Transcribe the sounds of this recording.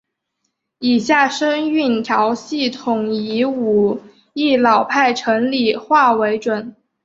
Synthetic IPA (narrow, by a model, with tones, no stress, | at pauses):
i˨˩ɕja˥˩ʂɤ˥ŋy˥˩nt̪ʰjɑ˧˥ʊɕi˥˩t̪ʰʊ˨˩ŋi˧˥u˨˩ | i˥˩lɑ˨˩ʊpʰa˥˩ɪʈ͡ʂʰɤ˧˥ŋli˨˩xwa˥˩we˧˥ɪʈ͡ʂwə˨˩˦n